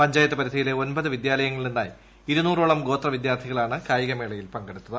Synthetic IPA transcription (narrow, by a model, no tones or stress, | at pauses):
pɐɲd͡ʑaːjɐt̪ːɐpɐɾid̪ʰʱɐjile̞o̞nbɐðɨʋid̪jaːlɐjɐŋːɐɭilninːa̰ːji | iɾunuːroːɭɐmɡo̞ːt̪rɐʋid̪jaːrt̪ʰiɣɐɭaːɳɨkaːjiɣɐme̞ːɭɐjilpɐŋɡeɽut̪ːɐðɨ